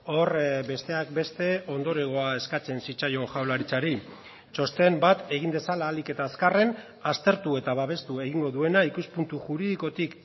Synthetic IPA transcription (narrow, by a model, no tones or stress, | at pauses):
o̞rbe̞st̪e̞ak̚be̞st̪e̞o̞nd̪o̞ɾe̞ɣ̞o̞ae̞skat͡se̞nsit͡ʃajo̞ʝawlaɾit͡saɾi | t͡ʃo̞st̪e̞mbat̪e̞ɣ̞ind̪e̞salaːlike̞t̪aːskare̞n | ast̪e̞ɾt̪ue̞t̪aβaβ̞e̞st̪ueɣ̞iŋɡo̞ðue̞naikuspunt̪uʝuɾiðiko̞t̪ik